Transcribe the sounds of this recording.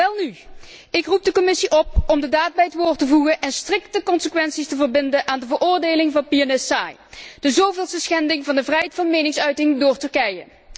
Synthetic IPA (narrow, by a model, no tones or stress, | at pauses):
ʋɛlˠnyɪkrup̚dəkɔmɪsiʔɔpɔmdədaːd̚bɛjətʋoːɹtəvuɣənʔɛnstrɪk̚təkɔnsəkʋɛnsistəvərbɪndənʔaːndəvərʊːrdejlɪŋvɑnpiɑnɪssa̰ːj | d̥əzowveːlˠstəsxɛndɪŋvɑndəvrɛjɦejtfɑnmejnɪŋsœɥtɪŋdʊːɹtɵɹkɛjə̰